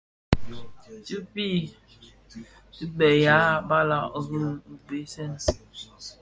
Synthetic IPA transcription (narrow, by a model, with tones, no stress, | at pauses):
t͡ʃi˦pi˦˨ | i˦bɛ˨ja˨˦ba˦la˨ʔɣə˦˨be˨˦sɛ˦n˨